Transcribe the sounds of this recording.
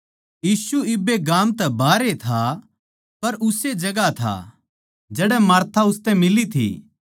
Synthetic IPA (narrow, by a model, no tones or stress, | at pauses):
jiːsuɪbeɡaːmt̪ɛbaːɾet̪ʰa | pɐɾʊsed͡ʒɐɡat̪ʰa̰ | d͡ʒɛːɽɛmaːɾt̪ʰaʊst̪ɛ̃mɪlit̪ʰḭ